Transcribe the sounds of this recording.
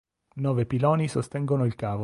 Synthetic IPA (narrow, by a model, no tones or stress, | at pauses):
nɔːvepilɔːnisost̪ɛŋɡonoilkaːvo